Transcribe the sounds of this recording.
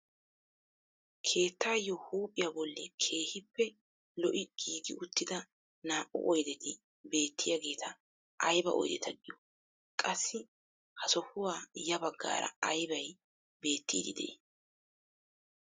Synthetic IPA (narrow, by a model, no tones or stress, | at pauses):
kʰe̞ːt̪ːaːjːɔhuːpʼːɪjabɔlːɛkʰe̞ːhɪpːɛ | lɔʔɪɡ̥iːɡɪʊt̪ːɪd̪ɐ | naːʔʊ̰ʔɔjd̪ɛt̪ɪ | be̞ːt̪ʰːɪjɐɡe̞ːt̪ʰɐ | ʔɐjbɐ̰ʔɔ̰jd̪ɛ̰t̪ʰɐɡɪjɔ̥ | kʼɐsːɪ | hɐsɔhʊwaːjɐbɐɡːa̰ːɾɐ̰ɐjbɐj | be̞ːt̪ːiːd̪ɪd̪ɛ̰ʔeː